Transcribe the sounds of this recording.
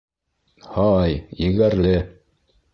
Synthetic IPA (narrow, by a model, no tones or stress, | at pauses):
hɑjjɘ̆ɡæɾlɘ